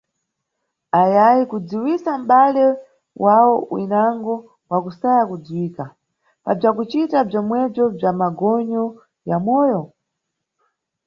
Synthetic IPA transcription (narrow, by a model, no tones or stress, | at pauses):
ajajikud͡ziwisam̩ɓalɛ | wʔawɔwḭnaŋɡɔ | wakusajakud͡ziwiːka | pab͡ʐakut͡ʃitab͡ʐɔmwɛb͡ʐɔb͡ʐamaɡɔɲɔ | jamɔːjɔ